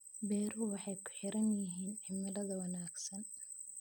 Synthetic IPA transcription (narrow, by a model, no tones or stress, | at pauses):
bɛːɾwɑħɑjkʰʊ̥ħɪɾɐnjɪɦiːnʕɪmɪlɐðɐwɐnaːɡsɐn